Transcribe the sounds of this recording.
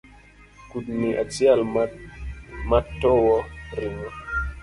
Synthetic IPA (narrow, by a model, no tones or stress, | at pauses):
kut̚miʔa̰t͡sial | matːɔwɔɾiŋa